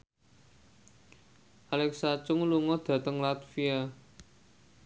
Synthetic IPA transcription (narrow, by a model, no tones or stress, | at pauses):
ʔalɛksat͡ʃʊŋluŋɔd̪̥ä̤t̪əŋlat̪fia